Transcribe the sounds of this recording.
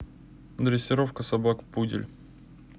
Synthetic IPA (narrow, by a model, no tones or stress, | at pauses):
d̪ɾʲɪsʲːɪɾofkəsɐbakpudʲɪ̰lʲ